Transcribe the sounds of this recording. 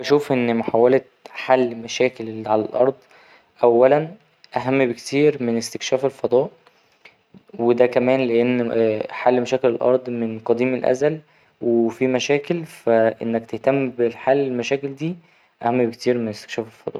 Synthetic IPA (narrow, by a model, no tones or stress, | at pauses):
æʃuːfʔenːmoħawæle | ħalːmæʃæːkelʕalælʔɑɾˤd̪ˤ | ʔæwːælæn | ʔæɦæmːbekt̪iːɾmenest̪e̥kʃæːfelfɑd̪ˤɑːʔ | wed̪ækæmæːnleʔenːħalːmæʃæːkelelʔɑ̰ɾˤd̪ˤmenqɑd̪iːmelʔæ̰zæl | wefimæʃæːkelfæʔḛnːækt̪eht̪æmːbelħalːelmæʃæːkeld̪iː | ʔæhæmːbekt̪ʰiːɾmenest̪e̥kʃæːfelfɑ̰d̪ˤɑ̰ːʔ